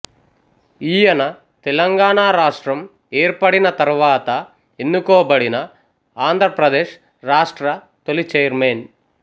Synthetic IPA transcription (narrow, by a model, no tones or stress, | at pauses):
ijɐnɐ | t̪ɛlɐŋɡaːɳaːɾaːʂʈɾɐm | eːɾpɐɽinɐt̪ɐɾuʋaːt̪ɐ | enːukɔːbɐɽinɐ | aːnd̪ʱɾɐpɾɐd̪eːʂ | ɾaːʂʈɾɐ | t̪olit͡ʃejɐɾmeːn